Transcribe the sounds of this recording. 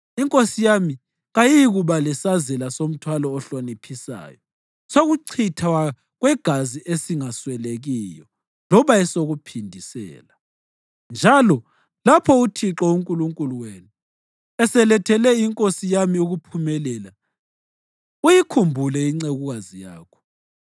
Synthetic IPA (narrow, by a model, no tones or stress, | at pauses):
iŋkʼosijami | ɣajiɣuβalɛsazɛlasom̩tʰwalɔːɬanipʰisa̰ːjɔ | soɣuǀʰitʰawa | ɣwɛɡ̥ʱaziʔesiŋaswɛleɣijɔ | lɔβaɛsoɣupʰindʱisɛ̰ːla | nd͡ʒʱalɔ | lapʰɔutʰiǁɔuŋkʼuluŋkʼuluweːnu | ɛsɛlɛtʰɛlɛiŋkʼosijamiuɣupʰumɛlɛla | ujikʰumbʱulɛiŋ͡ǀeɣuɣazija̰ːkʰɔ̥